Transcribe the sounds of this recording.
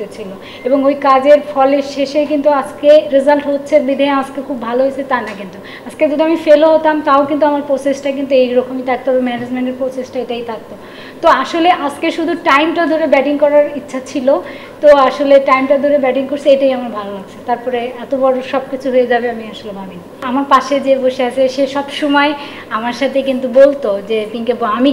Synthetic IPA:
et͡ɕʰilo | eboŋojkad͡ʑeɾfɔleɾʃeʃekint̪uad͡ʑkeɾizalʈɦotːɕʰeɾbid̪ʱaead͡ʑkekʰubːʱaloɦojt͡ɕʰet̪anakint̪u | at͡ɕʰked͡ʑod̪ʱuamifeloɦot̪amt̪aokint̪̬uamaɾpɾosesʈak̬int̪̬uejɾɔkʰomit̪ʰak̚t̪obemɛned͡ʑmeɳʈeɾpɾosesʈaeʈait̪ʰak̚t̪o | t̪oaʃoleʔad͡ʑʰkeʃud̪ʱuʈajmʈad̪ʱoɾebɛʈiŋkɔɾaɾitːɕʰat͡ɕʰilo | t̪oaʃoleʈajmʈad̪ʱoɾebɛʈiŋkoɾsʰeejʈaiamaɾbʱalolaɡ̚t͡ɕʰet̪aɾpɔɾeɛt̪obɔɾoʃɔb̚kit͡ɕʰuɦoed͡ʑabeamiaʃolebabiniamaɾpaʃed͡ʑeboʃeat͡ɕʰeʃeʃɔbʃomɔe | amaɾʃat̪ʰekint̪ubolt̪od͡ʑepiŋkebami

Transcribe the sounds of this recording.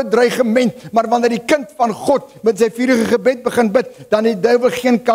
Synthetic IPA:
ədrœɥχəmɛntmɐrvɐndərdikəntfɐnχɔtmətsɛjfiːɾəχəχəbɛt̚bəχənbət̚d̥ɐnɦɛdœɥvəlˠχiənkɐ

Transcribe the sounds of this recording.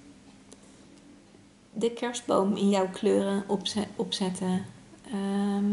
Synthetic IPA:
dəkʰɛɹsd̚bowmɪnjɔwkløːrənɔpsɛtə

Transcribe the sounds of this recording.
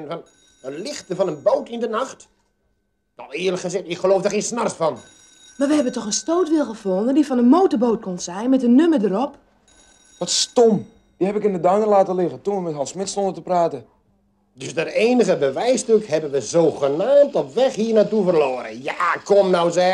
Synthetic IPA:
nfɔn | əlɪxtəfɑnənboːtɪndənaxt | nawɪələkχəzɪxtɪkχəloːfdarxiənsnarsfɔn | marʋəɦɛbəntɔxənstoːtʋɪlˠxəfondəndifɔnənmoːtərboːt̚kɔnsɛjnmɛtənːømədəɾɔp | ʋɔtstɔm | d̥ihɛpɪkɪndədaŋəlaːtəlɪɣətunʋəmɛtɦɑlˠsmɪtstɔndətəpraːtə | døsdəreːnəɣəbəʋɛjstøkhɛbənʋəzoːɣənaːmtɔpʋɛxhiːrnatufərloːɾə̰jakɔmnawzɛ

